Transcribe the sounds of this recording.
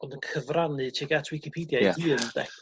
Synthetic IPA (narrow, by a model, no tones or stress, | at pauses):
ɔndənkʰəvranɨtʰiɡatʰwɪkʰipʰidjaɨːənd̥ɛ̰χ